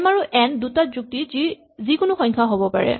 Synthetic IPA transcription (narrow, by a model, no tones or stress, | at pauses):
maɹuʔɛndutatzuk̚tizi | zikʊnʊxɔɲkʰaɦobɔpa̰ɹɛ̰